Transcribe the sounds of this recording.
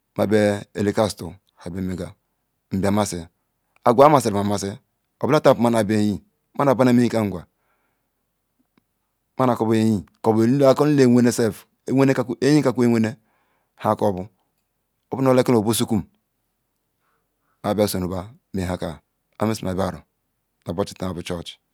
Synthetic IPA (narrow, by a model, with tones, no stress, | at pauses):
ma˨be˦ḛ˨li˦ka˦sto˨ | ha˨be˨˦me˨ɡa˨ | m̩˨ba˨ma˦˨se˨ | a˨ɡʷa˦m˦a˨se˨ɾma˨ma˨se˦ | o˨ba˦ta˦˨ma˦na˨be˦ji˦ | ma˦na˨ba˦na˦me˦i˦ka˦ŋ˨ɡʷa˨ | ma˦na˨ko˦be˦ji˦ko˨ba˦ko˦n˦le˦˨we˦ne˦se˦f | we˦ne˦e˦ji˦ka˦ku˦e˦wʷe˦ne˦ | ha˦ko˦˨bu˦ | o˦bu˦no˦le˦ki˦no˨bo˦su˦ku˦m | a˨ba˦so˨nu˨ba˦ | me˨a˦ka˨ | a̰˨˦me˦si˨ma˨ba˦˨ɾo̰˨ | no˨bo˦t͡ʃi̥˨ta˨˦a˨bu˨t͡ʃɔ˦˨t͡ʃ